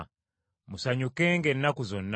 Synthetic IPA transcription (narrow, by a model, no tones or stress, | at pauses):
musaɲukeːŋɡenːakuzo̞nː